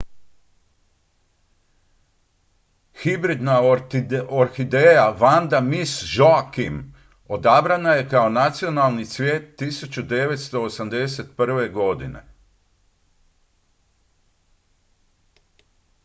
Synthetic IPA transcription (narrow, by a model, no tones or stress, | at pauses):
xibɾid̪na | oɾxid̪ejaʋand̪amisʒoakim | o̞d̪abɾanaje̞kaonat̪sio̞nalˠnit̪sʋʲje̞ːt̪ːisut͡ɕud̪e̞ʋe̞t̪st̪o̞ːsamd̪e̞se̞t̪pr̩ʋe̞ɡo̞d̪inḛ